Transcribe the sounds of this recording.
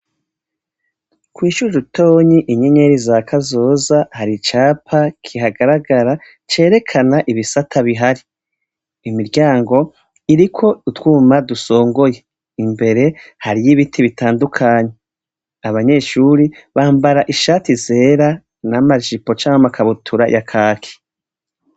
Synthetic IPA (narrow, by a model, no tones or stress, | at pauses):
kwiːʃud͡ʒuto̞ːɲiʔiɲe̞ɲeɾizakʰazo̞ːzahaɾit͡ʃaːpʰakʰiɦaɡaɾaɡaɾa | t͡ʃe̞ːɾe̞kʰanaʔiβisatʰaβiɦaɾiː | miɾɟaːŋɡo̞ | iɾikʰo̞utwuːmaduso̞ːŋɡo̞je̞ | imbe̞ɾe̞haɾijiβitʰiβitaːndukʰaːɲe̞ | aβaɲe̞ʃuɾiβaːmbaɾaʔiʃaːtize̞ːɾa | namaʒipo̞t͡ʃaːŋhamakʰaβutʰuɾa̰jʔakʰaːkʰi̥